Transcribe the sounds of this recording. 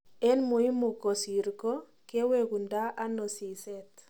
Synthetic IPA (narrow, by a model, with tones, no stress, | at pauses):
e˦nmu˨i˦mu˨kɔ˨si˨ɾkɔ˦ | ke˦weku˨nda˦ʔa˦nɔ˨si˨se˦t